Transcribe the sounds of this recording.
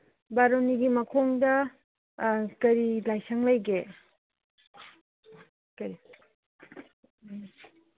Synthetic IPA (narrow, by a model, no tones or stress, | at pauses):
baɾoniɡimɐkʰoŋdɐ | kɐɾilajsɐŋlajɡe | kɐɾi